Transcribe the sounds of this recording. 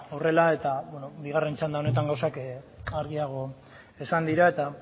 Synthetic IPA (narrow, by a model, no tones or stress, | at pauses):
o̞re̞lae̞t̪abweno̞biɣ̞are̞nt͡ʃand̪ao̞ne̞t̪̬aŋɡawsakaɾɣiaɣ̞o̞ | e̞sand̪iɾae̞t̪a